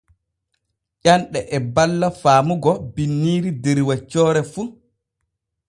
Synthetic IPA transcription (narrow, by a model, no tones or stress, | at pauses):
ʔanɗɛʔɛbalːafaːmuɡɔbinːiːɾideɾiwat͡ʃːɔːɾɛfu